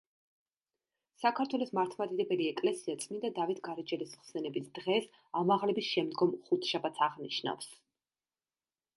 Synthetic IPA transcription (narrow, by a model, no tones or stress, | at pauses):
sakʰaɾt̪ʰwɛlˠɔsmaɾt̪ʰmad̪id̪ɛbɛliɛkʼlɛsiat̪sʼmind̪ad̪avit̪ʰɡaɾid͡ʒɛlisχsɛnɛbisd̪̥ʁɛs | amaʁlɛbisʃɛmd̪ɡɔmχut̪ʰʃabat̪sʰaʁniʃna̰fs